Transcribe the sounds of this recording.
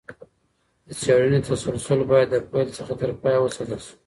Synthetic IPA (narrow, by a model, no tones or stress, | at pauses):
d̪̥əseɽənet̪ʰasalsolbɑjad̪ːəpajlt͡səxat̪əɾpɑjawəsɑt̪əlʃu̥